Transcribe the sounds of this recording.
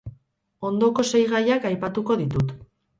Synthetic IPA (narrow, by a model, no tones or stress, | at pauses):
o̞nd̪o̞ko̞se̞jɣajakajpat̪uko̞ðit̪ut̪